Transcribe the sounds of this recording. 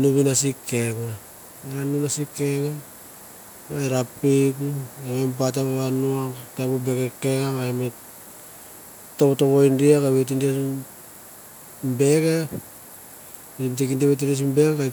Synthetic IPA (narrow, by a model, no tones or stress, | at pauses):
nuβinasike̞ɡa | eɾanunasikːeɡa | ajɾapikuememp̬at̬aβaβanuataβobeɡekeɡaβaeme | toβoto̞βojndiakaβet̬india | mbe̞ɡa | imtekindiaβet̬indias̬imbeɡaka